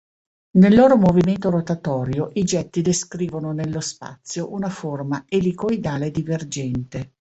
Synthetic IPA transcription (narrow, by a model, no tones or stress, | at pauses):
nelːoːɾomoviment̪oɾot̪at̪ɔːɾjoʔid͡ʒɛt̪ːid̪eskɾiːvononelːospa̰t̪sːjoʔunaformaelikojd̪aːled̪iverd͡ʒɛnt̪e